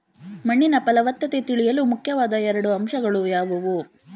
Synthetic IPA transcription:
mɐɳːinɐpɐlɐʋɐt̪ːɐt̪et̪iɭijɐlumukʰjɐʋaːd̪ɐɛɾɐɽuɐmʃɐɡɐɭujaːʋɐʋu

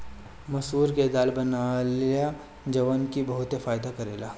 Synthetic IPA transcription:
mɐsuːɾked̪aːlbɐnaleja | d͡ʒɐʋənkibɐɦʊt̪efaːjd̪akɐɾeːlaː

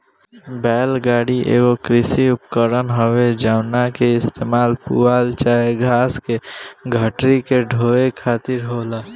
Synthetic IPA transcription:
bɛːlɡaːɽiʔḛːɡokɾɪsiʊpkəɾənɦoʋed͡ʒaːʊnakeɪst̪eːmaːlpṵaːlt͡ʃaːeɡʱaːskeɡʱəʈɾikeɖʱoːekʰaːt̪ɪɾɦoːlaː

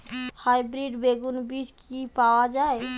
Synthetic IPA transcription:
hajbɾiɖbeɡunbid͡ʒkipawad͡ʒae

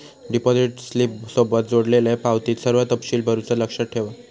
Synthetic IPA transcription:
ɖipod͡ziʈslip̚sobət̪̚d͡zoɽlelepawt̪iːt̪səɾʋat̪əpɕiːlbʱəɾut͡sələkʂəʈʰeʋa

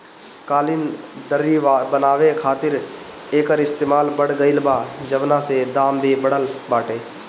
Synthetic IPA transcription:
kaːlɪnd̪əɾːibənaːʋekʰaːt̪ɪɾ | eːkəɾɪst̪eːmaːlbəɽɡəɪlbaːd͡ʒəʋnãːsed̪aːmd̪ʱiːbəɽəlbaːʈeː

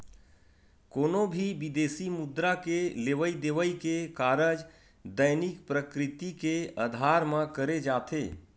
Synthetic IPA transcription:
koːnobʱibid̪eːsimʊd̪ɾakeleʋəid̪eʋəikekaːɾəd͡ʒ | d̪əjnikpɾəkɾɪt̪ikeəd̪ʱaːɾmãkəɾed͡ʒaːt̪ʰḛː

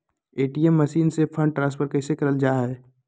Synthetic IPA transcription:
eːʈiːɛmːɐʃiːnsepʰə̃ɳɖʈɾãːspʰəɾkɛːsekɐɾəld͡ʒaːɦɛː

